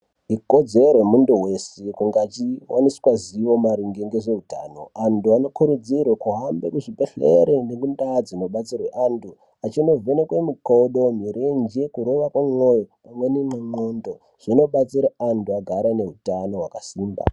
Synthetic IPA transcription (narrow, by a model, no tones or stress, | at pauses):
iko̞d͡zeremunduwe̞sekuŋɡat͡ʃiwʔaniskwaziʋo̞maɾiŋɡeŋɡeʐe̞uta̰no̞̰antuano̞kuɾud͡zirwekuɦambḛkuʐibeɬḛɾenekundad͡zino̞ɓat͡sirweʔantʰu | at͡ʃino̞vʱenekwemikoɗo̞miɾend͡ʒekuɾo̞ʋakwamo̞jopamwe̞nemamondo | ʐ̥ino̞ɓat͡siɾaantuaɡʱaɾane̞ɦutano̞ɦwakasiːmba̰